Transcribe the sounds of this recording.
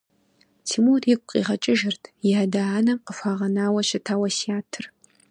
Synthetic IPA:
tʰimutjɪkʷʼqʼḭːʁɐt͡ʃʼɪʒɪrtʰjɪadaːnɐmqəfaːʁɐnaːwɐʃɪtʰaːwɐsiaːtʰɨr

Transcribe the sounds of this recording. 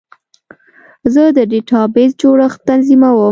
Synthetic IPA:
zəd̪əɖeʈɑbezd͡ʒoɽəxt̪anzimawə

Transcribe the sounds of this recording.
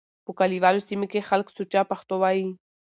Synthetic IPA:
pukaliβalosimekeχalksut͡ʃapaχt̪oβai

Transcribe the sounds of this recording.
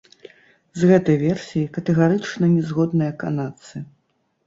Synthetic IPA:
zɣɛt̪ɐjvʲɛrsʲijikɐt̪ɛɣaɾɨt͡ʂnɐnʲɛzɣɔd̪nɨjɐkanat̪sɨ

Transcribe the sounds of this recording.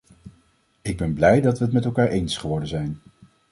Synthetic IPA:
ɪɡ̚bɛnblɛjdɑtʋəətmɛtɛlˠkaːɹʔejnsχəʋɔɹdənzɛjn

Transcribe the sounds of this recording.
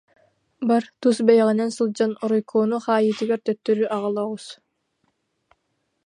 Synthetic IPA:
bɑɾt̪usbejaʁinɛnsɯlˠd͡ʒanoɾɔjkʰoːnuχɑːjiːt̪iɡøɾt̪øt̪ːøɾyʔɑʁɯlˠowus

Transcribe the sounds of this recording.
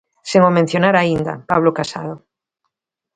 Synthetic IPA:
seŋomẽn̟θjonaɾaind̪a̰paβ̞lokasa̰ð̞o

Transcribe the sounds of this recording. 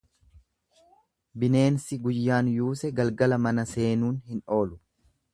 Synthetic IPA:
bɪne̞ːnsɪɡʊjːaːnjuːsɛɡɐlɡɐlɐmɐnɐse̞ːnuːnhɪno̞ːlʊ̥

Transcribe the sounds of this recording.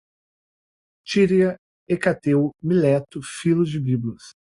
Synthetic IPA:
t͡ʃiɾiɐ | ekat̪ewmilɛt̪ʊfilʊzd͡ʒɪbiblɐs

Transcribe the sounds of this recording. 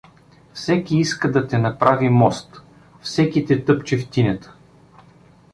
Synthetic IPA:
fsɛkʲiiskəd̪ɐt̪ɛnɐpɾavimɔst̪ | fsɛkʲit̪ɛt̪ɤpt͡ʃift̪inʲɛt̪ə̥

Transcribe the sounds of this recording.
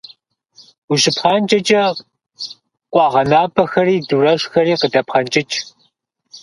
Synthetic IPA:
uɕɪpχɑːnt͡ʃʼɐt͡ʃʼɐ | qʷʼɑːʁɐnaːbɐxɐriːdurɐɕxɐɾiːqədɐpχɐnt͡ʃʼɪt͡ʃʼ

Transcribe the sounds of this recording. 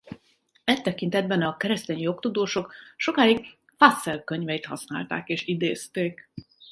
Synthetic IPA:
ɛt̪ːɛkint̪ɛd̪̚bɛnɒkɛɾɛst̪eːɲjo̞kt̪ud̪oːʃo̞kʃo̞kaːik̚ | fasːɛlkøɲvɛjit̪hɒ̰snaːlt̪a̰ːkeːʃid̪eːst̪eːk

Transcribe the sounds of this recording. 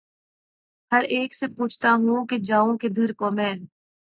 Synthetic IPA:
hɐɾeːksepuːt͡ʃʰt̪aɦũked͡ʒaːõked̪ʱɐɾkoːmɛ̃ːn

